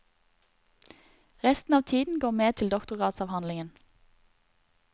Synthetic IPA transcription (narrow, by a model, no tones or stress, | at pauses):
ʁɛst̪n̩ɑːʋt̪ʰiːd̪n̩ɡoːʁmeːt̪ʰɪld̪ɔkt̪ʊʁɑːt̪sɑːʋhɑnlɪŋən